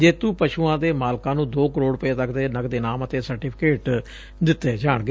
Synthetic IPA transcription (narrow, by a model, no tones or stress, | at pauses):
d͡ʒeːt̪ũːpəʃuːãːd̪eːmaːlkãːnũːd̪oːkəɾoːɽpeːt̪əkd̪eːnəkd̪eːnaːmət̪eːsəɾʈiːpʰɪkeːʈ | d̪ɪt̪ːeːd͡ʒaːɳɡe